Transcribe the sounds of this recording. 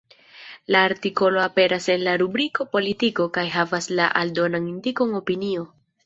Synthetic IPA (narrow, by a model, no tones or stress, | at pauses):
laːɾtiko̞lo̞ape̞ɾʔase̞nlaɾubɾiko̞po̞litiko̞kajɦavaslaʔaldo̞naŋindikoŋo̞pinio̞